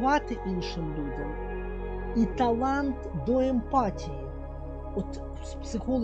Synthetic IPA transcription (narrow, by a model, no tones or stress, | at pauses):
vat̪ɨʔinʂɨmlʲudʲɐm | it̪ɐlˠant̪d̪ɔɛmpatʲijɪ | ɔt̪ | spsɨxolˠ